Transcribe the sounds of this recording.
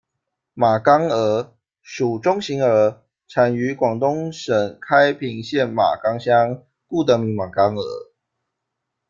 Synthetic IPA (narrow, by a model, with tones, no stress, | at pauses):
ma˨˩kɑ˥ŋə˧˥ | ʂu˨˩ʈ͡ʂʊ˥ŋɕi˧˥ŋə˧˥ | ʈ͡ʂʰa˨˩ny˧˥kwɑ˨˩ŋt̪ʊ˦ŋʂə˨˩ŋkʰa˦ɪpʰi˧˥ŋɕjɛ˥˩nma̰˨˩kɑ˥ŋɕjɑ˥ŋ | ku˥˩t̪ə˧˥mi˨˥ŋma˨˩ŋkɑ˥ŋə̰˧˥